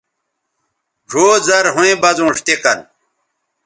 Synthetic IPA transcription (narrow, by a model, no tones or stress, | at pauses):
ʐʱoːzɐɾɦũẽbɐzũːʂt̪ekɐn